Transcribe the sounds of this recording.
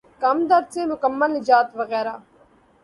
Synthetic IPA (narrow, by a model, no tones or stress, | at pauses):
kɐmd̪əɾseːmʊkəmːəlnɪd͡ʒaːt̪ʋəɣɛːɾaː